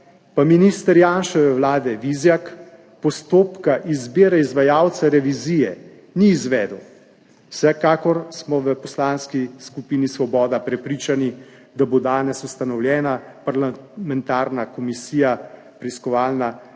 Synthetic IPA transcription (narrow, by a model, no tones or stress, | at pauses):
paminiːst̪əɾjaːnʃɛʋɛwlaːd̪ɛʋizjak | pɔst̪oːpkaʔizbeːɾaizʋajawt̪saɾɛʋizijɛ | niːzʋɛd̪w | sɛkaːkɔɾsmɔʋəpɔslanskiskupiːnisʋɔbɔːd̪apɾɛpɾiːt͡ʃani | d̪abod̪aːnɛsust̪anɔwljɛːnapaɾlamɛnt̪aːɾnakɔmisiːja | pɾiiskɔʋaːlna